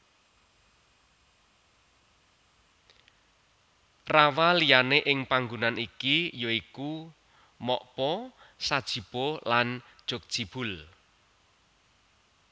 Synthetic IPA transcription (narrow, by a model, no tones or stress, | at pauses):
rawalijaneʔɪŋpaŋɡunanikijoiku | mɔʔpɔ | sad̥ʒ̥i̤b̥oland̥ʒ̥ok̚d̥ʒ̥ib̥ʊl